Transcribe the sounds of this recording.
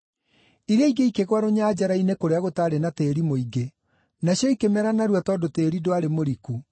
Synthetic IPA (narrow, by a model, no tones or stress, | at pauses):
iɾaiɡeikeɣwaɾoɲaːd͡ʒaɾainekoɾeaɣotaːɾenateːɾimoiɡe | naɕjɔikemɛɾanaɾwatɔdoteːɾidoaɾemoɾiku